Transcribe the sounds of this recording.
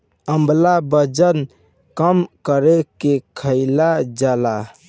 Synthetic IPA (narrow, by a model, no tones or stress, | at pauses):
əmblabəd͡ʒən | kəmkəɾekekʰəɪlad͡ʒala